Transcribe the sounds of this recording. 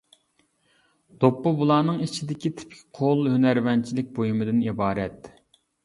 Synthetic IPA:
d̪̥opːʊbulˠɑːnɨŋit͡ʃʰid̪ɪkʲit̪ʰɪ̥p̚kʲʰi̥qʰolˠhønæɾvɛnt͡ʃʰilɪk̚ʲbojumɨd̪ɪnibɑːɾɛt̪

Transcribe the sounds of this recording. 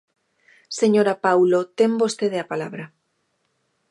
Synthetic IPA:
seɲoɾapawlot̪embost̪eðeapalaβɾa

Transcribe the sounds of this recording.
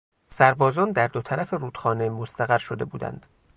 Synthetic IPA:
sæɾbɒːzɒːnd̪æɾd̪ot̪ʰæɾæfeɾuːd̪̥xɒːne̞most̪ʰæɣæɾʃo̞d̪e̞̰bṵːd̪æ̰nd̪̥

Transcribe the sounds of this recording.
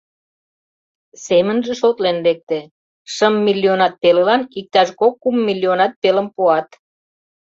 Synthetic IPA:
semənʒĕʃot̪lenlek̚t̪e | ʃəmːilːionɑt̪̚pelelɑnik̚t̪ɑʃkokːumːilʲːionɑt̪̚peləmpoɑt̪

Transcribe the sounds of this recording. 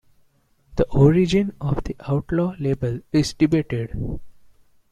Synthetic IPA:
d̪̥əʔɔːɾid͡ʒɪ̃nɔːʋd̪iʔaʊʈlɔːleːbəlɪzɖɪbeːʈeɖ

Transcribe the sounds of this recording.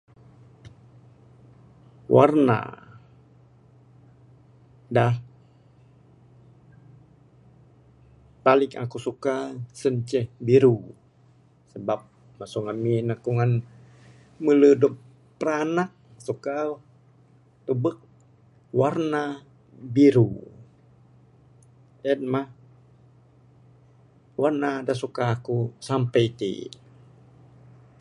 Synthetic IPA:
wʔa̰rna̰ | dah | palɪka̰kusukasəɲt͡ʃɛhbiɾu | səbap̚ | masuŋaminakuŋan | mələdɔp̚ | pəɾanak̚ | suka | t̪ubək̚ | warna | biɾu | ɛt̚mah | warnadasukaːkusampɛit̪ḭ

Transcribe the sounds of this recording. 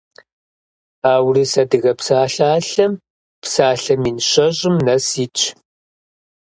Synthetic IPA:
aːwriːsɐdɨɣɐpsaːɬaːɬɐm | psaːɬɐminɨɕɐɕʼɪmnɐsiːt͡ʃʼʰ

